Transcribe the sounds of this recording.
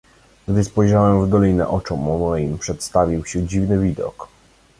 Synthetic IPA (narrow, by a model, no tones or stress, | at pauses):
ɡd̪ɘspɔjʐawɛmvd̪ɔlʲinɛ̰ʔɔt͡ʂɔmːɔmɔjimpʂɛt̪st̪avʲiwɕɛd͡ʑivnɘvʲid̪ɔ̰k